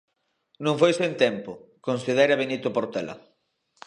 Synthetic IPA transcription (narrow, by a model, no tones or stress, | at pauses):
nũŋfojsent̪ɛmpʊkonsiðeɾɐβenit̪ʊpoɾt̪ɛlɐ̰